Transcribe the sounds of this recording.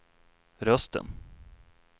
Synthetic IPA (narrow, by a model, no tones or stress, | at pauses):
ɾœst̪ə̰n